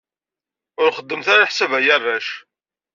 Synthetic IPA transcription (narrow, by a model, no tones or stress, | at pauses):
ʊɾχəd̪ːəmθaɾaħsævæjərˤːæʃ